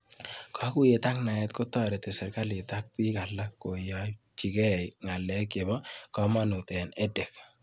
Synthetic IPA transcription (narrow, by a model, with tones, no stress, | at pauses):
kʰɔ˦ku˦je˨t̪a˦kna˨jɛ˨t̪kʊ˦t̪ɔ˦ɾɛ˨t̪ɛ˨sɛ˨ɾka˦lɪ˨t̪a˦k̚pi˦ka˨lːa˦kːo˨jɔ˦ | t͡ʃi˨kɛ˦ŋa˨lːɛ˨kɪ˨bɔ˦kɔ˦ma˦nu˨t̪ɛ˨nɛ˦dɛ˨k